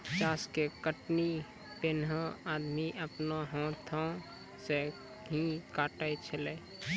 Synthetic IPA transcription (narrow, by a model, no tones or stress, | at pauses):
t͡ʃaːskekəʈni | penɦə̃ad̪miʔəpnoɦɔ̃t̪ʰɔ̃ | se | ɦĩkaʈajt͡ʃʰəle